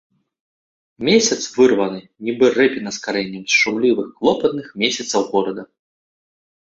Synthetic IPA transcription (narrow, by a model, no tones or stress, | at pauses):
mʲesʲɐt̪svɨrvɐnɨ | nʲibɨrɛpʲinɐskaɾɛnʲːɐmst͡ʂawlʲivɨxklˠɔpɐt̪nɨxmʲesʲɐt̪sɐwɣɔɾɐd̪ɐ